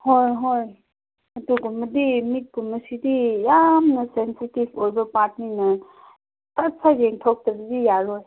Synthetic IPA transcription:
hojɦoj | ɐduɡumɐdimit̚ɡumːɐsidijamnɐsensitibojbɐpat̚ninɐ | tɐt̚pʰaɾeŋtʰok̚t̪ɐbəzijaɾoj

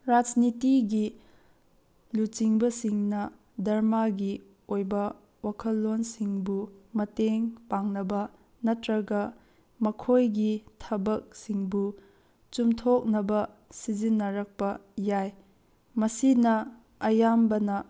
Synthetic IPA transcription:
ɾad͡ʒnitiɡi | lut͡ʃiŋbɐsiŋnɐ | dɐɾmaɡi | ojbɐ | wakʰɐlːonsiŋbumɐteŋpaŋnɐbɐ | nɐtɾɐɡɐ | mɐkʰojɡitʰɐbɐk̚siŋbu | t͡ʃumtʰok̚nɐbɐ | sid͡ʒinːɐɾɐk̚pɐjaj | mɐsinɐ | ɐjambɐnɐ

